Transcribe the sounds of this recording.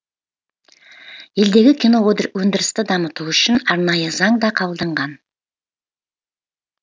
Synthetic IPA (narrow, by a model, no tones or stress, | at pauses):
je̞ld̪e̞ɡʲɪkʲijno̞od̪ɾwɵnd̪ɪɾɪst̪ɪd̪ɑmət̪uʏʃɪnɑɾnɑjəzɑɴd̪ɑqʰɑlˠd̪əɴʁɑn